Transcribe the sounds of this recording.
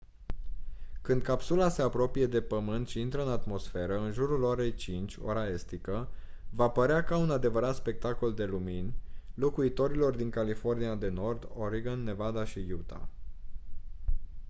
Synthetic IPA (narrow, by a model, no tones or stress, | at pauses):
kɨnd̪̚kapsulase̞apɾo̞pije̞d̪e̞pəmɨnt̪ʃiint̪ɾəɨnat̪mo̞sfe̞ɾəɨnʒuɾulo̞ɾe̞jt͡ʃint͡ʃʲo̞̰ɾae̞st̪ikə | vapəɾeakaunad̪e̞vəɾat̪spe̞k̚t̪ako̞ld̪e̞luminʲlo̞kuit̪o̞ɾilo̞rd̪iŋkalifo̞rniad̪e̞no̞rd̪o̞ɾiɡonːe̞vad̪aʃijut̪a̰